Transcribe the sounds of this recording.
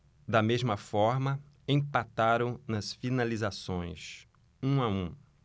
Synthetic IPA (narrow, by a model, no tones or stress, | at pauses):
d̪ɐmezmɐfɔɾmɐ | ẽpat̪aɾɐ̃w̃nɐsfinalizasõj̃s | ũaũ